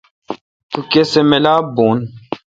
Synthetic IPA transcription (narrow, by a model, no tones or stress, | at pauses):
t̪ukesemelaːbuːn